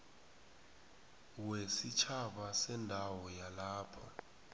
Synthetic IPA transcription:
wesit͡ʃʰaɓasɛndʱawɔjalaːpʰɔ̰

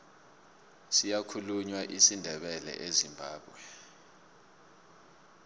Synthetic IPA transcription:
sijakʰuluɲwaʔisindʱɛɓɛlɛ̰ʔezimbʱaːɓwɛ

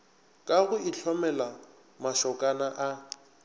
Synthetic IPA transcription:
kʼaɣʊɪɬʰɔmɛla | maʃɔkʼanaʔa

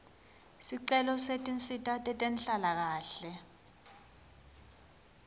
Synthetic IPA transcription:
siǀɛlɔsetʼint͡sʼitʼatʼɛtʼɛnɬalak̬aːɬɛ

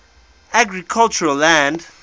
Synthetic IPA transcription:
aɡɹikʰalt͡ʃuɹalːæ̃nd

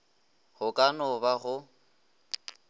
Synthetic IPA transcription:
hʊkʼanɔbaɣʊ

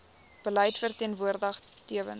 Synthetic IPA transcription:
b̥ələjtfərtiənvuərdəχ | tiəvə̰n

